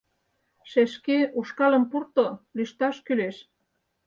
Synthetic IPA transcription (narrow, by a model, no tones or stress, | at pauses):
ʃeʃkeuʃkɑlə̆mpurt̪olyʃt̪ɑʃkyleʃ